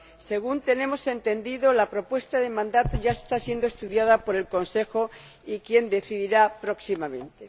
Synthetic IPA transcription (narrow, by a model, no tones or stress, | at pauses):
se̞ɣ̞unt̪e̞nẽ̞mo̞se̞nt̪e̞nd̪iðolapɾo̞pwe̞st̪aðemãnd̪at̪oʝaest̪asje̞nd̪oe̞st̪uðjaðapo̞ɾe̞lko̞nse̞xo̞ | ikje̞nd̪e̞θiðiɾapɾo̞ksimamẽ̞nt̪e̞